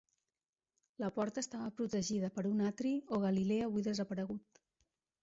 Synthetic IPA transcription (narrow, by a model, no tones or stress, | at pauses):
ləpɔɾt̪əːst̪aβəpɾut̪əʒiðəpəɾunat̪ɾioɣ̞əlileəːβujðəzəpəɾəɣut̪̚